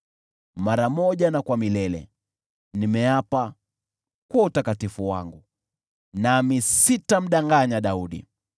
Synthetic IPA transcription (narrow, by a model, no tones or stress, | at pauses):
maɾamɔʄanakwamilɛlɛ̰ | nimɛapa | kwautakatifuwa̰ŋɡu | namisitam̩ɗaŋɡaɲaɗauɗḭ